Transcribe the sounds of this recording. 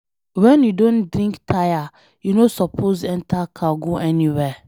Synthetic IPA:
wɛ̃njudõndɾĩŋktʰaja | junosɔpʰozɛ̃ntʰakʰaɡuʔɛniwɛ

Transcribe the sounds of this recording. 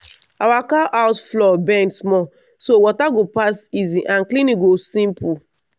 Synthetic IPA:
awakaʔaʊsflɔbɛ̃nsmɔ | sowɔtaɡopasiziʔãnklĩniɡosĩmpu

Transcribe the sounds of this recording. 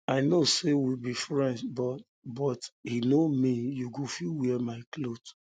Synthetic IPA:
aɪnosewilbifɹɛ̃ndbɔt | bɔthinomijuɡofilwiɛmaɪklot

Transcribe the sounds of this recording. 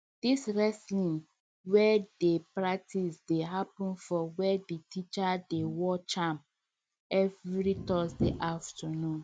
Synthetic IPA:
d̥isɹɛslĩŋ | wɛdepɹak̚tʰisdeɦapũnfɔwɛdetit͡ʃadewɔt͡ʃãm | ɛvɾitɔsdeʔaftanũn

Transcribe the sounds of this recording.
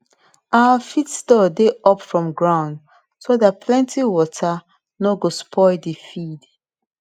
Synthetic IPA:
ʔaafitstɔdeɔpfɹɔ̃mɡɹãʊ̃nd | soðat̚pʰlɛ̃ntʰiwɔtʰa | noɡospʰɔɪdifid

